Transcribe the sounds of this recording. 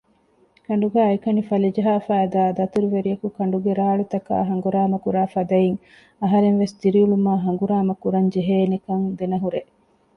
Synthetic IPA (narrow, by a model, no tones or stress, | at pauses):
kɐɳ̆ɖuɡæːɐikɐnifɐlid͡ʒɐɦaːfæːd̪aːd̪ɐt̪uɾuʋeɾijɐkukɐɳɖuɡeɾaːɭut̪ɐka̰ːɦɐŋɡuɾaːmɐkuɾaːfɐd̪ɐjiŋ | ɐɦɐɾeŋʋesd̪iɾiuɭumaːɦɐŋɡuɾaːmɐkuɾɐɲd͡ʒeɦeːnekɐŋd̪enɐɦuɾe